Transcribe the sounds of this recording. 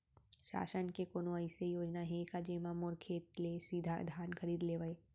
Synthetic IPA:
ʃa̰ːʃənkekoːnoəɪsejoːd͡ʒnaɦẽkad͡ʒemãmoɾkʰeːt̪̚lesiːd̪ʱa̰d̪ʱjaːnkʰəɾiːd̪leːʋəe

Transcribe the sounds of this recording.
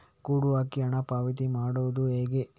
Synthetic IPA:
kuːɽuʋaːkiɐɳɐpaːʋit̪̬imaːɽuʋd̪ueːɡe

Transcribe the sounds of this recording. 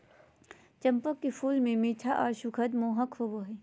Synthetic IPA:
t͡ʃɐmpəkːipʰuːlmẽmiːt̪ʰaʔaːɾʃukʰɐd̪moːɦɐkʰhoboːɦe

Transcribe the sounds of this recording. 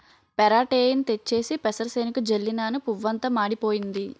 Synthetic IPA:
pɛɾaːʈeːjɐnt̪e̞t͡ʃːe̞ːsipɛsɐɾsɐjnikud͡ʒelːinaːnupuʋːɐnt̪ɐmaːɽipo̞ːjind̪i

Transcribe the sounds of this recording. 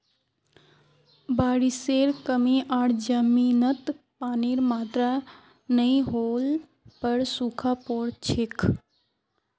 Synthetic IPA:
baːɽiseːɾkəmiʔaːɽd͡ʒəmiːnət̪ | paːniːɾmaːt̪ɾa | nəĩɦoːl | pəɽsukʰapoːɽt͡ʃʰek

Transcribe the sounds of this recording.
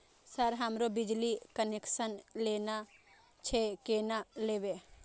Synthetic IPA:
səɾɦəmɾobɪd͡ʒlikənekʃənleːna | t͡ʃʰekeːnaleːʋe

